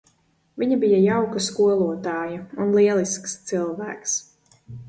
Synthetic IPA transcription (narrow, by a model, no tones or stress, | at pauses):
viɲabijajawkɐskuɔlˠuɔt̪aːjɐunlˠiɛlˠiskst̪silˠvæ̰ːks